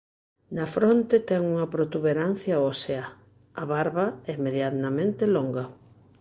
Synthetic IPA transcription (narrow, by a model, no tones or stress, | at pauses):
nɐfɾont̪et̪ɛŋuŋɐpɾot̪uβeɾan̟θjɐosea | ɐβaɾβɐɛimeðjaɐmẽnt̪eloŋɡɐ